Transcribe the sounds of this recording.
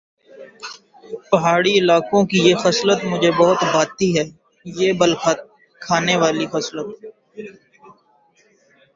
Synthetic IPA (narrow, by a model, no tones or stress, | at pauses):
pɐɦaːɽiɪlaːkõkijexɐslət̪mʊd͡ʒʱebɔɦʊt̪baːt̪iɦɛː | jeːbəlxət̪̚ | kʰaːneʋaːlixɐslət̪̚